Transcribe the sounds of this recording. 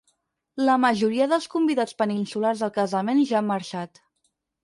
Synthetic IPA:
ləməʒuɾiəðəlˠskumbiðat͡spəninsularzðəlˠkəzəmenʒaːmːəɾʃat̪

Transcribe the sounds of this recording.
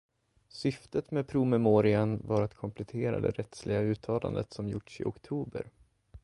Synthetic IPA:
sʏft̪ət̪mɛpʰɾʊmɛmoːɾɪanvaɾat̪kʰɔmpʰlɛt̪ʰeːɾa̰d̪ɛ̰ɾʔɛt̪slɪɡaʉ̟ːt̪ʰɑːla̰nd̪ət̪sɔmjʊʈʂɪ̰ʔɔkt̪ʰuːbə̰ɾ

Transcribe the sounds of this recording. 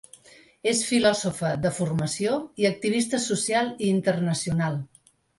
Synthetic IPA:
esfilɔzufəðəfurməsioiək̚t̪iβ̞ist̪əsusialˠiːnt̪ərnəsiunalˠ

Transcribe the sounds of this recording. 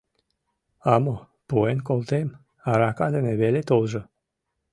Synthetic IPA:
amo | poenkolˠt̪em | aɾakad̪eneβelet̪olˠʒə

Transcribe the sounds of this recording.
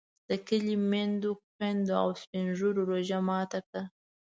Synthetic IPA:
d̪̥əkəlimend̪oxend̪oa̰wspɪnʒuɾoɾoʒamɑt̪akɽa

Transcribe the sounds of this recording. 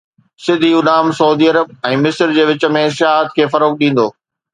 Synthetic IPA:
sɪd̪ʱiʊnaːmsɐʊd̪iəɾəb̚ɛ̃ːmɪsɾd͡ʑeːʋɪt͡ɕə̆mẽʃɪɦaːɦət̪kʰeːfɐɾoːk̚ɗĩːn̆d̪oː

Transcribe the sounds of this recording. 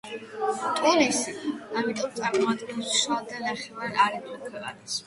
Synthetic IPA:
t̪ʼɛlɛsiamit̪ʼɔmt̪sʼaɾmɔat̪ʼɡɛnssad̪anaχɛvaɾaɾɛmɔkʰwɛva̰nɛs

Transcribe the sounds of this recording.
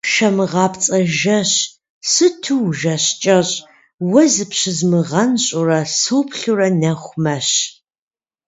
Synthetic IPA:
ʃɐmɨʁɑːpʰt͡sʼɐʒɐɕ | sɨtʰuwʒɐɕt͡ʃʼɐɕʼ | wɐzɨpɕɪzmɨʁɐnɕʼʊrɐsupʰɬurɐnɐχʷmɐɕ

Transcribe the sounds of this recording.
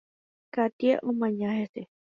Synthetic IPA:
kat̪ia̰ʔõmãɲãhese

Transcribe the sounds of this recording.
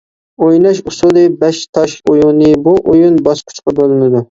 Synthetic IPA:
ojnɑʃusud̪ɨbɛʃt̪ʰɑʃojunːɨbuʔojunbɑʃkʲʰy̥t͡ʃqɑbølˠɪnɨd̪u

